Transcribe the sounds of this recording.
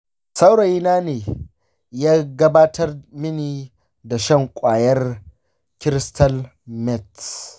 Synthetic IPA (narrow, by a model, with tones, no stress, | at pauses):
sɐ˦wɽɐ˨ji˦naː˦neː˨ | jaː˦ɡɐ˦baː˦tʰɐ˦rmɪ˦niː˨ | da˨ʃɐ˦˨ŋkʷʼaː˨jɐ˦r | kʲɪ˦ɾɪ˦stɐ˦l | mɛ˦˨t